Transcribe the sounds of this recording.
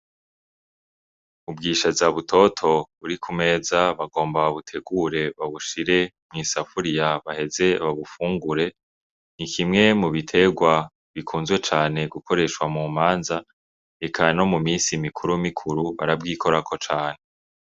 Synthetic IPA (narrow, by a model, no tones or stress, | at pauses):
ubɡiːʃazaβutʰo̞tʰo̞βuɾikʰume̞ːzaβaɡo̞ːmbaβutʰe̞ɡuɾe̞βaβuʃiɾe̞ | mŋiːsafuɾijaβahe̞ze̞βaβufuːŋɡuɾe̞ | nikʰimŋe̞muβitʰe̞ɡwa | βikʰuːnzwe̞t͡ʃaːne̞ɡukʰo̞ɾe̞ʃkwamuːmaːnza | ekʰano̞mumiːnsimikʰuɾumikʰuɾuβa̰ɾab̚ɡiːkʰo̞ɾakʰo̞t͡ʃaːne̞